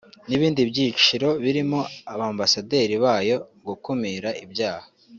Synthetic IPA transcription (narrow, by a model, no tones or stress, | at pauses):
niβiːndibɟiːt͡ʃiɾo̞βiɾimo̞aβaːmbasade̞ːɾiβaːjo̞ɡukumiɾaʔibɟaːhḁ